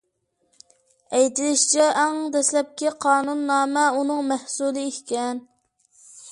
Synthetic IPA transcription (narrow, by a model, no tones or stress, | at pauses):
ɛjt̪ɪlɪʃt͡ʃʰɛʔæŋd̪ɛslɛp̚kʲiqʰɑːnunːɑːmɛunɨŋmæhsulˠɨikʲkʲɛn